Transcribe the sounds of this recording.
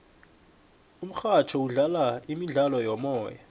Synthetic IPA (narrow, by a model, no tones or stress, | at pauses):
um̩xat͡ʃʰɔuɮalaimiɮalɔjɔmɔːja